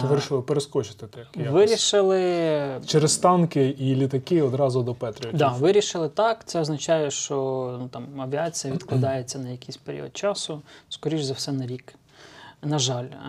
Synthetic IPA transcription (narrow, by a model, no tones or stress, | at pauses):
ʋɪɾʲiʃɪlˠɪpeɾeskɔt͡ʃɪ̥t̪ɪt̪ɛjʋɪɾʲiʃɪlˠɪt͡ʃeɾest̪ɑnkɪilʲit̪ɐkɪɔd̪ɾɑzʊd̪ɔpɛt̪ɾʲɪjd̪ɑʋɪɾʲiʃɪlˠɪt̪ɑkt̪sɛɔznɐt͡ʃɑjɛʃt͡ʃɔnut̪ɑmɐʋʲiɑt͡sʲijɐʋʲid̪klˠɐd̪ɑjet͡sʲːɐnɐjɐkʲijsʲpeɾʲḭɔ̰d̪̚t͡ʃɑsʊskɔɾʲiʒzɐwsɛnɐɾʲik | nɐʒɑlʲ